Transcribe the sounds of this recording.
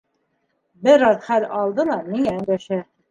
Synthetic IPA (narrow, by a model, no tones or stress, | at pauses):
bɘɾɑðχæɾɑlˠd̪ɤlˠɑmiŋææŋɡæʃæ